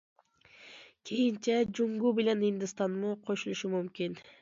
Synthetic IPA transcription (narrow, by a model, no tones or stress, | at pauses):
kʰejint͡ʃed͡ʒuŋɡubilenind̪ɪst̪ɑnmuqʰoʃulˠuʃumymkin